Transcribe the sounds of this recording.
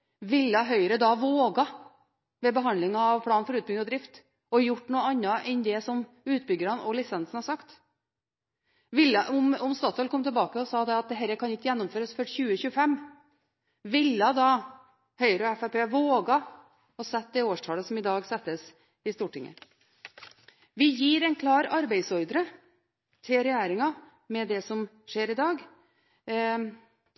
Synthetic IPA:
ʋɪlːɑɦœʏɾəd̪ɑʋoːɡɑ | ʋɛbəɦɑnd̪lɪŋɑːʋpʰlɑːnfɔɾʉːt̪̚bʏɡ̪ɔd̪ɾɪft̪ | ɔjʊʈːnuːəɑnːɑʔɛnd̪ɛsɔm | ʉːt̪̚bʏɡəɾənɔlɪsɛnsn̩hɑsɑkt̪ | ʋɪlːɑʔʊmʊmst̪ɑːt̪ʰɔlkɔmːt̪ʰəlbɑːkəɔsɑd̪ɛɑt̪̚d̪ɛɦɛɾəkʰɑnɪt̪ːjɛnːʊmføːɾəsfœʈçʉːəçʉːəfɛmː | ʋɪlːɑd̪ɑ | hœʏɾəɔɛfæpeːʋoːɡɑ | ɔsɛt̪̚ːd̪ɛoːʂʈʰɑːləsɔmɪd̪ɑːɡsɛt̪ːəs | ɪst̪uːʈʰɪŋːə̰ | ʋɪjiːɾɛɪnkʰlɑːɾɑɾbæɪsɔɾd̪əɾə | t̪ʰɪlɾɛjæːɾɪŋɑ | mɛd̪ɛsɔm | ʂeːɾɪd̪ɑːɡ

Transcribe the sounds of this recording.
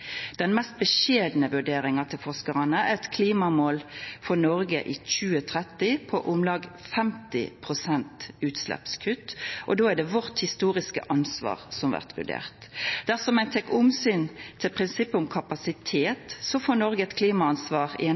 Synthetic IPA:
d̪̥ɛnmɛst̪̚bəʃeːd̪nəʋʉɖeːʁɪŋɑt̪ʰɪlfɔʁskəʁɑnəæɛɛt̪kʰliːmɑmoːlfɔʁnɔɾɡə̰ʔiːc͡çʉːət̪ʰʁɛt̪ːɪpʰɔʔʊmlɑːɡfɛmt̪ɪ̰pʰʁʊsɛnt̪ʉːt̪slɛ̰pskʰʉt̪ːʔɔd̪oːæɖɛʋɔʁt̪hɪst̪uːʁɪskə̰ʔɑnsʋɑ̰ːʁsɔmʋæ̰ʁt̪ʋʉ̰ɖḛːʁt̪d̪̥æʁsɔmæɪt̪ʰɛkʊmsyːnt̪ʰɪlpʰʁɪnsɪpːəʊmkʰɑpɑsɪt̪ʰeːt̪sɔfoːɾnɔɾɡəɛt̪kʰliːmɑɑnsʋɑːʁɪ̰ɛ

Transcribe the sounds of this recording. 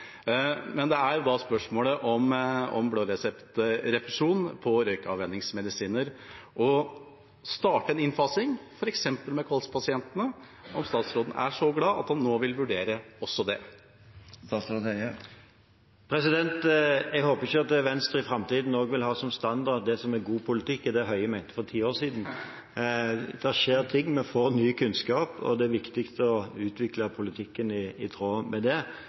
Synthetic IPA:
mɛnd̪ɛæɾjʊd̪ɑspœʂmoːləʔɔmɔ̰mbloːɾɛsɛpt̪ɾɛpɾɛʂuːnpʰɔɾœʏkəɑ̰ʋɛnːɪŋsmɛd̪ɪsiːnəɾʔɔ | st̪ɑːʈəɛnɪnfɑsɪŋfɔɾɛksɛmpəlmɛkʰɑlspʰɑsɪɛnt̪ənə | ɔmst̪ɑːt̪sɾoːd̪n̩ʔæ̰ʂɔɡlɑːʔɑ̰t̪hɑnːoːʋɪlʋʉɖeːɾəɔsːɔd̪ɛ̰ | st̪ɑːsɾot̪ɛə | pʰɾɛsɪd̪ɛnt̪ɛɡhoːpəɪçəɑt̪̚d̪ɛʋɛnst̪ɾɪfɾɑmt̪iːd̪n̩oːɡʋɪlɦɑːsɔmst̪ɑnd̪ɑʁd̪ɛsɔmɛɡuːpʰʊlɪt̪ʰɪkːɛd̪ɛæɦœʏəmæɪnt̪əfɔʁt̪ʰiːoːʁsiːd̪n̩ | d̪̥ɛʂeːɾt̪ʰɪŋːmɛnfoːɾnyːkʰʉnskɑːpɔ̰d̪ɛæɾʋɪkt̪ɪkst̪əɔʉːt̪ʰʋɪkləpʰʊlɪt̪ʰɪkːənɪɪt̪ʰɾoːmɛd̪ɛ

